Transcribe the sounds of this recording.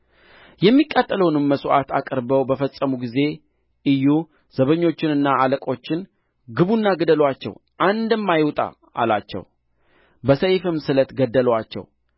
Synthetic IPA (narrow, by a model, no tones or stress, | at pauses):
jɛmːikʼat̪ʼːələwnɨmːəsʔa̰t̪ʰa̰kʼəɾbəwbəfəsʼːəmuɡize̞ | ʔɨjːu | z̥əβəɲːo̞t͡ʃːɪnɨnːaaləkʼo̞t͡ʃːɪn | ɡɨβunːaɡəd̪əlwat͡ʃːɛ̰wʔand̪ɨmːajwt̪ʼa̰ | ʔa̰lat͡ʃːɛ̰w | bəsəjfɨmːsɨlət̪ɡəd̪ːəlwat͡ʃːɛ̰w